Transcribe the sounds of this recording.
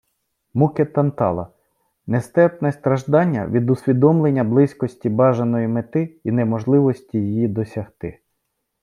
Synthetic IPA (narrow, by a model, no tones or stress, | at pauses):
muket̪ɐnt̪ɑ̰lˠɐ̰ | nest̪ɛt̪nɛst̪ɾɐʒd̪ɑnʲːɐ̰ʋʲid̪ʊsʲʋʲid̪ɔmlˠe̞nʲːɐblˠɪsʲkɔsʲtʲibɑʒenɔjimet̪ɪinɛmɔʒlˠɪʋɔsʲtʲijijid̪ɔsʲɐht̪ɪ